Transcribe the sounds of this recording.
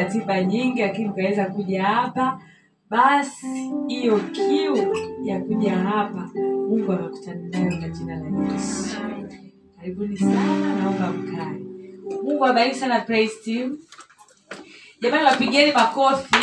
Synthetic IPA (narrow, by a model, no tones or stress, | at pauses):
atiɓaɲiŋɡilakinim̩bawɛzakuʄahapa | ɓasihijɔkʰiujakuʄaɦapamuŋɡuamaku̥tananajɔɡatiɓalaɲisi̥ | kaɾiɓunisanananaɔmbam̩kaɛmuŋɡuaɓainisanapɾɛistim | ʄamaniwapiɠɛnimakɔfi